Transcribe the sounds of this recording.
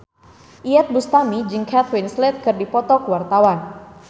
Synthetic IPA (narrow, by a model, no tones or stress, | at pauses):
ʔiɛt̪̚bust̪amid͡ʒɨŋkʰat̪winslɛt̪̚kɨrdipɔt̪ɔkəwart̪awan